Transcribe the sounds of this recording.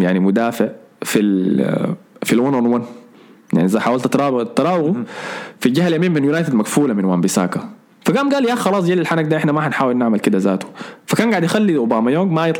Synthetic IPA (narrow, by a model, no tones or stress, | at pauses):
jaʕnimʊd̪aːfɪʕfil | filwanonwan | ja̰ʕniʔɪzaħaːwalt̪t̪ɾɑt̪ːɑɾˤɑːwɪɣufid͡ʒahaljamiːmmɪnjʊnaːjt̪ɪd̪maɡfuːlamɪnwaːmbɪsa̰ːka | faɡaːmɡaːljaxɑlˤɑːsˤd͡ʒeːlilħanaɡ̚d̪aːʔɪħnamaħanħaːwɪlnaʕmalkɪd̪azaːt̪u̥fakaːnɡaʕɪd̪jɪxalːiʔʊbaːmajoːŋɡmajɪt̪ˤ